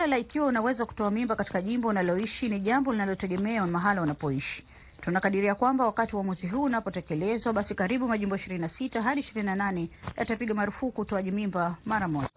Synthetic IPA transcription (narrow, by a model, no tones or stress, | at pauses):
alaikiwaunawɛzaku̥tɔamimbakati̥kaʄimbɔunalɔiʃiniʄambɔlinalɔtɛɠɛmɛamaɦalaunapɔiʃi̥ | tunakaɗiɾiakwambawakatiuwamwɛziɦuːnapɔtɛkɛlɛzwaɓasikaɾiɓumaʄimbɔiʃiɾininasitaɦaɗiːʃiɾininananɛja̰tapiɠamaɾufukuːtɔaʄimimbamaɾamɔʄa